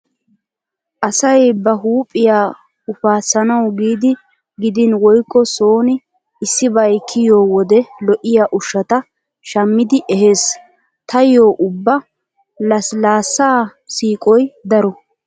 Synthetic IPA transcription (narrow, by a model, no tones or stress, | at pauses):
ʔɐsɐjbɐɦuːpʼːɪjaː | ʊfaːsːɐnɐwɡiːd̪ɪ | ɡɪd̪ɪnwɔjkːɔsoːnɪ | ɪsːɪbɐjkʰːɪjo̞ːwɔd̪ɛlɔʔɪjaːʔʊʃːɐt̪ɐ | ʃɐmːɪd̪ɪʔɛɦe̞ːs | t̪ʰɐjoːʔʊbːɐ | lɐslaːsːaːsiːkʼɔjd̪ɐɾɔ